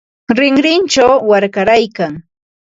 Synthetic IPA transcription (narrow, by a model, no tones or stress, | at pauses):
ɾɪŋɾɪnt͡ʃawːaɾkaɾajkaŋ